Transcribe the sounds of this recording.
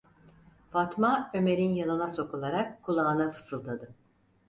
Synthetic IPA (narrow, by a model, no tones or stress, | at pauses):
fat̪maø̞me̞ɾinjanɯnaso̞kulˠaɾakkʰːulˠaːnafɯ̥sɯlˠd̪ad̪ɯ